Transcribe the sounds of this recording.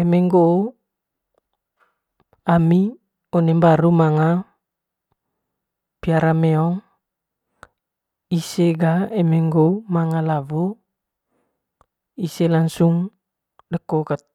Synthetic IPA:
emɛŋɡo | ami | ɔnembaɾumaŋa | piaɾameɔŋ | iseɡaemeŋɡomaŋalavo | iselaŋsuŋ | dəkokat̪̚

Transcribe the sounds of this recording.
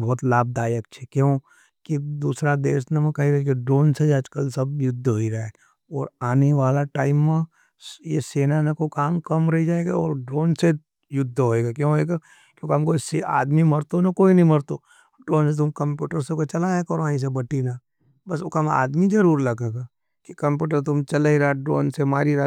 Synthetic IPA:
bɔɦːt̪laːb̚d̪aːjəkt͡ʃʰekjõː | kid̪uːsɾad̪eːsnemɛ̃kɐɦiɾɐikiɖɾoːnsed͡ʒad͡ʒkəlsɐb̚jʊd̪ʱːɦoiɾɐɦa | ɔːɾaːneʋaːlaʈaːɪmːã | jeseːnanekokaːmkɐmɾɐɦid͡ʒaːeɡaɔ̰ːɾɖɾoːnse | jʊd̪ʱːɦoeːɡakjõɦoeːɡa | kjõkɦɐmkosia̰ːd̪mimɐɾt̪onakoːinɐɦĩmɐɾt̪o | ɖɾoːnset̪ʊmkɐ̃mpjuːʈəɾsekot͡ʃɐlaːjakɐɾõaːĩs̬ebɐʈina | bɐsokama̰ːd̪mid͡ʒɐɾuːɾlɐɡeːɡaː | kikɐ̃mpjuːʈ̬əɾt̪ʊmt͡ʃɐleiɾaːɖɾoːnsemaːɾiɾa

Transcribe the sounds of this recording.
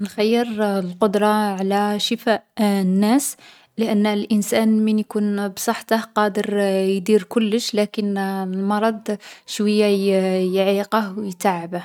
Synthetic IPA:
nxæjːəɾlqod̪ɾˤɑʕlæʃəfæʔnːæs | ləʔənːlʔənsænmənjkunbsˤɑħt̪əhqɑd̪əɾjd̪iɾkʊlːəʃlækənlmɑɾˤɑd̪ˤʃwəjːajjʕiqəhwjt̪aʕəbəh

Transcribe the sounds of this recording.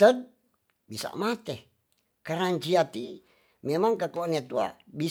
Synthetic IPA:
t̪əd̚ | bisa̰ʔmat̪e | kaɾaɲt͡ʃiat̪i | memaŋkakoanet̪ua̰bi

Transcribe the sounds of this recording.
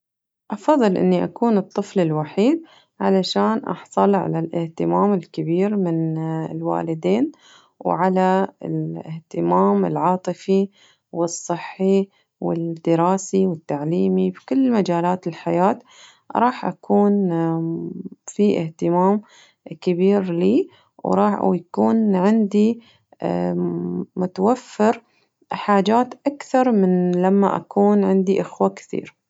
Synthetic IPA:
ʔɑfɑðˤːɨlʔɪ̰nːiʔa̰kuːnɨt̪ˤːɨflɪlwaħiːd̪̚ | ʕalaʃaːnʔɑ̰ħsˤɑlʕa̰lalʔɪht̪ɪmaːmɪlkɪbiːɾmɪnɪlwa̰ːlɪd̪eːn | wʕalaɪlɪht̪ɪmaːmɪ̰lʕɑːt̪ˤɨfi | wɨsˤːɨħːi | wɪ̰d̪ɪɾɑːsiwɪt̪ːaʕliːmibkʊlːmad͡ʒaːlaːt̪ɪlħajaːt̪ | ɾˤɑːħʔakʰuːn | fiʔɪ̰ht̪ɪmaːm | kɪbiːɾliː | wɾˤɑːħjakuːnʕɪnd̪i | mʊt̪awafːɪɾ | ħaːd͡ʒaːt̪ʔakθɑɾˤmɪnlamːa̰ʔa̰kuːnʕɪnd̪iʔɪxwakɪ̥θḭːɾ

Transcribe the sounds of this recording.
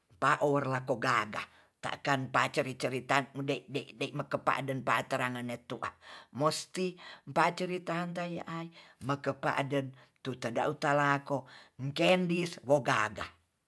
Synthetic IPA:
mpaʔowərlakoɡaɡa | t̪a̰ʔkanmpat͡ʃəɾit͡ʃəɾit̪andaidadaiʔməkəpa̰ʔdənpaʔat̪əɾaŋənet̪uʔa̰most̪impat͡ʃəɾit̪aːnt̪̬ajaʔaiməkəpa̰ʔdən | t̪ut̪əda̰ʔut̪alakoŋkɛndiswoɡaɡa

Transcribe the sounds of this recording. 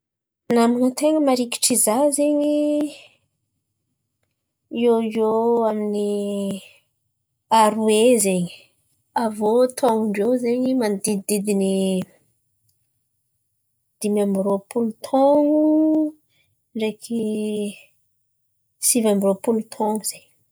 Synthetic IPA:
naminət̪eŋəmaɾiki̥ʈ͡ʂizazeɲi | ioioamini | aɾuezeɲi̥ | avot̪ʰoŋuɳɖ͡ʐewzeɲimanid̪id̪id̪ini | d̪̥imambiɾopulut̪ʰoŋu | ɳɖ͡ʐekʰi | sivambiɾopulut̪ʰoŋuz̥eɲ

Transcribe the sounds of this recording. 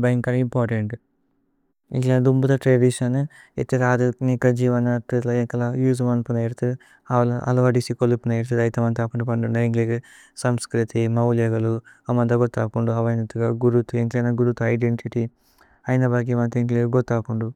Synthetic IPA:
bɐjŋkɐlimpaːɾʈeɳʈ | ḭklad̪umbut̪ɐʈɾeːɖiʂɐnḛt̪ːiɾaːd̪ɐnikɐd͡ʒiːʋɐnɐt̪it̪lɐeŋkɐlɐjuːz̬ɐmɐnpunɐjiɾt̪u | aʋɐlɐʔɐ̰lɐʋɐɖisikolupunɐjiɾt̪ɐd̪ɐjit̪ɐmɐnt̪aːkuɳɖupɐɳɖunɐiŋɡliɡ | sɐmskɾit̪imɐwljɐɡɐluɐmɐnt̪ɐɡot̪ːaːkuɳɖuɐʋɐjnɐt̪ːuɡaɡuɾut̪ueŋklɐnɐɡuɾut̪uɐjɖeɳʈiʈi | ɐjnɐbɐɡimɐnt̪eŋkleɡot̪ːaːkuɳɖu

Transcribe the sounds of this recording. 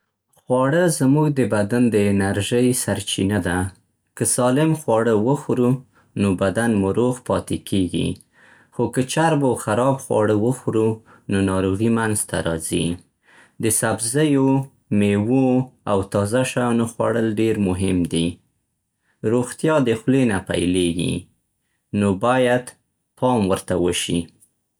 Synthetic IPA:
xwɑɽəzamuɡd̪əbad̪and̪əɪnaɾʒəjsaɾt͡ʃinad̪a | kəsɑlɪmxwɑɽəwəxɾu | nobad̪anmuɾoɣpɑt̪ekʰeɡḭ | xokət͡ʃaɾbaxaɾɑbxwɑ̰ɽəwəxɾu | nonɑɾoɣimanzt̪ʰa̰ɾɑ̰zḭ | d̪əsabzəjo | mewoawt̪ɑzaʃɑjɑnoxwaɽəlɖeɾmʊɦɪmd̪i | ɾoxt̪jɑd̪əxlenapa̰jleɡḭ | nobɑjad̪ | pʰɑmwəɾt̪awəʃḭ

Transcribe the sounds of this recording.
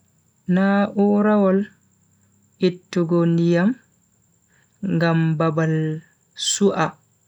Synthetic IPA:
naʔuɾawɔl | ʔitːuɡɔndijam | ŋɡambabal | suʔa

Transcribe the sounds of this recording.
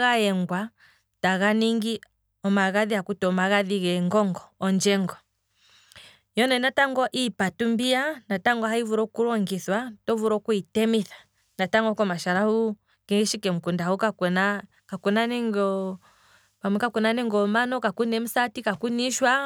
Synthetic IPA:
ɣaɛŋɡwa | taɣaniŋɡi | ɔmaɣaðiakutɔmaɣaðiɣɛŋɡɔŋɡɔːnd͡ʒɛŋɡɔ | jɔnɛnataŋɡɔʔipatumbianataŋɡwaɦaivuɾɔkuɾɔŋɡiθwatɔvuɾɔkuitɛmiθḁ | nataŋɡɔkɔmaʃaɾahu | kiɣiʃikɛm̩kundaukakɛna | kakunaniŋɡɔ | bamwɛkakuɛnanɛŋɡɔmanɔkakunɛm̩satikakuniʃwa

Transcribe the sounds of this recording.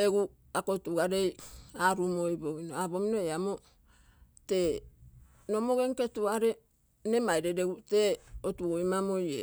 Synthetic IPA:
eɡu | akotuɡaɾejaɾumojboɡinoabominoeamo | te | nomoɡeŋketuaɾe | nemajɾedeɡuteotuɡoimamojḛ

